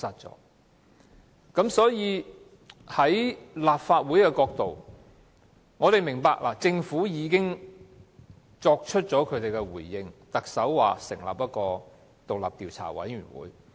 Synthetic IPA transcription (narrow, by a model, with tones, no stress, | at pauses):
sɐ˨t̚t͡sɔ̰ː˨˥ | kɐ˨˥msɔː˨˥jiː˨˧ | hɐ˨˥jlaː˨p̚faː˧t̚wu˨˥jkɛ˧kɔː˧k̚t̪o˨w | ŋɔː˨˧t̪e˨jmɪ˨˩ŋpaː˧k̚la̰ː˨˩t͡sɪ˧ŋfuː˨˥jiː˨˧kɪ˥ŋ | t͡sɔː˧k̚t͡ʃʰɵ˥t̚t͡ʃɔː˨˥kʰɵ˨˧ɥt̪e˨jkɛ˧wuː˨˩jːɪ˧ŋt̪ɐ˨k̚sɐ˨˥wwa̰ː˨sɪ̰˨˩ŋla̰ː˨p̚jɐ˥t̚kɔː˧ | t̪o˨k̚lɐ̰ː˨p̚t̪iː˨wt͡sʰa̰ː˨˩wɐ̰˨˥jy̰ː˨˩nwṵː˨˥j